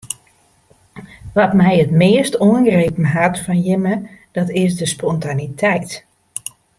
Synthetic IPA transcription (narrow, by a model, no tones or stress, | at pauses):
ʋɔtmɛjətmɪəstoənɡrepn̩ɦatfɔnjɪməd̥ɔtɪsdəspɔntanitʰɛjt